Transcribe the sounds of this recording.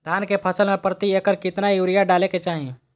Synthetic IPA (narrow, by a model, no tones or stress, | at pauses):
d̪ʱjaːnkepʰɐsəlmẽpɾət̪ieːkəɾkɪt̪najuːɾɪjaɖaːleket͡ʃaːɦee